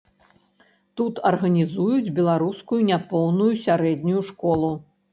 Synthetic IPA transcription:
t̪ut̪ɐrɣɐnʲizujud͡zʲbʲɛlˠaɾuskujunʲapɔwnujusʲaɾɛd̪ʲnʲujuʂkɔlˠu

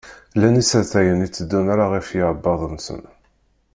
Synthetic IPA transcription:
lænisəɾθæjənit͡sːəd̪ːunaɾaʁəfjəɾˤəbːɑðˤənsə̰n

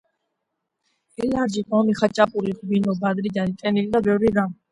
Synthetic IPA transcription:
ɛlaɾd͡ʒiqʼɔmiχat͡ʃʼapʼuɾiχbinɔb̪ad̪ɾid͡ʒ̪anit̪ʼɛnilid̪abɛvɾiɾa

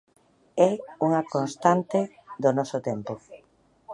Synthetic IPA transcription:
ɛuŋakonst̪ant̪e | d̪onɔsʊt̪ɛmpo

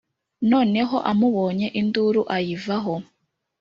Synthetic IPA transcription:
no̞ːne̞ɦo̞ʔamuβo̞ːɲe̞ʔinduɾuʔajivaɦo̞

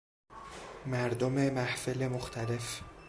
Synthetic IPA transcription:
mæɾd̪ome̞mæhfelemoxt̪ʰæle̞f

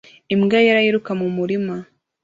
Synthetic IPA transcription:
imɡajaɾahiɾukamumuɾima

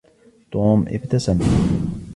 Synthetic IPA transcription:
t̪ˤoːmʔɪ̰qt̪asan

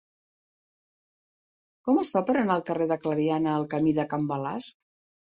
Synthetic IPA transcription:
kɔməsfapəɾənaəlˠkəreðəkləɾianəːlˠkəmiðəkəmbəla̰ɾ

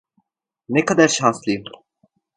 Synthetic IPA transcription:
nekad̪aɾʃanslˠɯjɯm

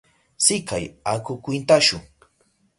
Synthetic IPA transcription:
sɪkajakʊkʷɪnt̪aʃʊŋ

